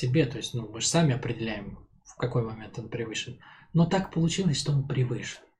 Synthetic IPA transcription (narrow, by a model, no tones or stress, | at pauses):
sʲɪbʲe̞t̪o̞jɪsʲtʲnumɨʐsamʲɪɐpɾʲɪdʲɪlʲæjɪm | fkɐko̞jmɐmʲe̞nt̪o̞npɾʲɪvɨʂɨnno̞t̪akpəlˠʊt͡ɕilˠəsʲʂt̪o̞onpɾʲɪvɨʂɨ̥n